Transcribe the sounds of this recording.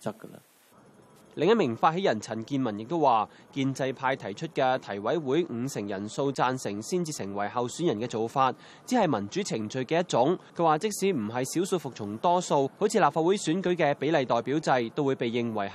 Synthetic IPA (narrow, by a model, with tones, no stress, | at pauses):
t͡sɐ˥kə˧lɐ̰ | lɪ˨ŋjɐ˥t̚mɪ˨˩ŋfaː˧t̚ɦe˨˥jɐ˨˩nt͡sʰɐ˨˩nkiː˧nmɐ˨˩njɪ˨k̚t̪o˥waː˨ | kiː˧nt͡sɐ˧jpʰaː˧jt̪ʰɐ˨˩jt͡ʃʰɵ˥t̚kɛː˧t̪ʰɐ˨˩jwɐ˨˥jwuː˨˥jŋ̩˧sɪ˨˩ŋjɐ˨˩nso˧wt͡saː˧nsɪ˨˩ŋsiː˥nt͡siː˧sɪ˨˩ŋwɐ˨˩jɦɐ˨wsyː˨˥njɐ˨˩nkɛː˧t͡so˨wfaː˧t̚ | t͡siː˨˥hɐ˨jmɐ˨˩nt͡ʃyː˨˥t͡sʰɪ˨˩ŋt͡sɵ˨ɥkɛː˧jɐ˥t̚t͡sʊ˨˥ŋkʰɵ˧˥waː˨˩t͡sɪ˥k̚siː˨˥m̩˨˩ɦɐ˨jsiː˨˥wsu˧fʊ˨k̚t͡sʰʊ˨˩ŋt̪ɔː˥so˧who˨˥wt͡sʰiː˧laː˨p̚faː˧t̚wu˨˥jsyː˨˥nkɵ˨˥ɥkɛː˧pe˨˥jlɐ˨jt̪ɔː˨jpiː˨˥wt͡sɐ˧jt̪o˥wu˨˧jpe˨jːɪ˨ŋwɐ˨˩j